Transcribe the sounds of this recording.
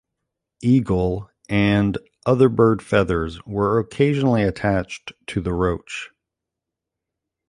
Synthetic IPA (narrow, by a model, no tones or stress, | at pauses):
iɡl̩ˠ | ɨ̃n | ʔʌðə˞bɜ˞d̥fɛðə˞zwə˞ɨkʰeɪʒənl̩ˠiɨtʰæt͡ʃttʰɨðəɹoʊt͡ʃ